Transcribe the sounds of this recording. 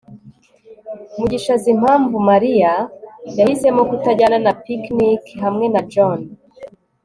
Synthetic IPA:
muɟiʃazim̥aːɱvumaɾijajahisemokutaɟananapiknikɦamŋenad͡ʒon

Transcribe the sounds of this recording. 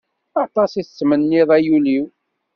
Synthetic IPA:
ɑt̪ˤɑsiθəsmənːiðˤæjuliw

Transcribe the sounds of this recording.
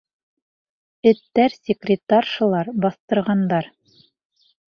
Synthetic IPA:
ɘ̆t̪ːæɾsʲɪkrʲɪt̪arʃɤ̆lˠɑɾbɑθt̪ɤ̆ɾʁɑnd̪ɑɾ

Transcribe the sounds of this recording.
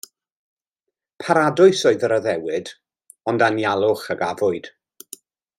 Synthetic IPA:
pʰaɾadʊɨsoɨðəɾəðɛwɪd | ɔndanjalˠʊχəɡavʊɨd̥

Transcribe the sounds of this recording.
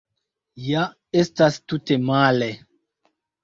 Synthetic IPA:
ja | estastutemale

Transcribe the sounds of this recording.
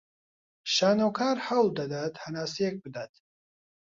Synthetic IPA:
ʃaːnɐwkʰaːɾhɐwld̪ɐd̪aːt̪hɐnaːsijek̚bɨd̪aːt̪

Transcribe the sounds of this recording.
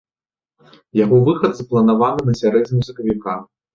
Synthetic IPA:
jaɣɔvɨxɐd̪zɐplˠɐnavanɨnɐsʲaɾɛd͡zʲnʲimuzɐkɐvʲika

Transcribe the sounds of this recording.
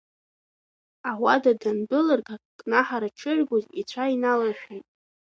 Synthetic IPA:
awadadanbɨlarkʰʼakkʼnaħaɾaʈ͡ʂʰɨʒɡʷʊzit͡ɕʷʰainalaħʷᶣajtʼ

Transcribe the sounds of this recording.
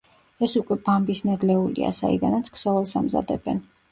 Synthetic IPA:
ɛsukʼwɛb̥ambisnad̪lɛulḭa̰sa̰ḭd̪anat̪sʰksɔvɛlˠsamza̰d̪ɛbɛn

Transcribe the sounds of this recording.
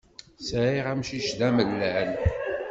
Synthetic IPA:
sʕiʁæmʃiʃðæməlːæn

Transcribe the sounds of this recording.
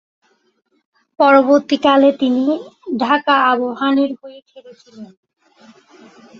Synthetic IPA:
pɔɾoboɾt̪ikalet̪iniɖʱakaaboɦaneɾɦojefʰeɾet͡ɕʰilen

